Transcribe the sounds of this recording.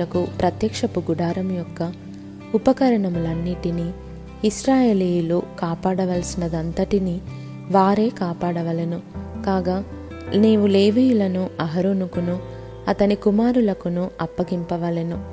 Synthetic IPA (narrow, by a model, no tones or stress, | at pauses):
ɐkupɾɐt̪jɐkʂɐpuɡuɽaːɾɐmjɔkːɐ | upɐkɐɾɐɳɐmulɐnːiʈini | iʃɾaːje̞ːlijuluːkaːpaːɽɐʋɐlsinɐd̪ɐnt̪ɐʈini | ʋaːɾe̞ːkaːpaːɽɐʋɐlenukaːɡa | neːʋule̞ːʋiːjulɐnuɐɦɐɾonukunu | ɐt̪ɐnikumaːɾulɐkunuɐpːɐɡimpɐʋɐlenu